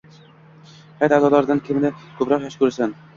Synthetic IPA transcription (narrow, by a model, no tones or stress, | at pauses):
hjt̪azɒd̪aɾd̪ankʲʰɪmnɪkʰɵpɾɒqjaʃkɵɾsan